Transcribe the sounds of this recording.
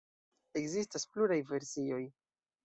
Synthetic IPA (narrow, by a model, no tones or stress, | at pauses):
e̞kzistaspluɾajve̞ɾsio̞j